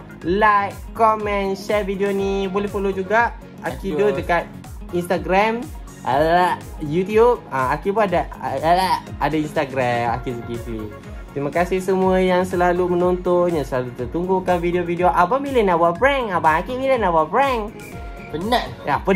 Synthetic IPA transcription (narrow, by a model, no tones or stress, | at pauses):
lajkkːɔmɛ̃nʃɛvidionibolɛhpəlod͡ʒuɡaʔ | akidodəkat̪̚ | inst̪aɡɾam | ʔa̰la | jut̪iub̚aakipuada | adainst̪aɡɾama̰kisəɡislḭ | t̪ɾimakasɪhsəmũəjaŋsəlalumənont̪onɲasəlalut̪ərt̪uŋɡukanvidiovideoʔabamilənawabɾɛŋabaakibilənawabɾɛŋ | pənaapə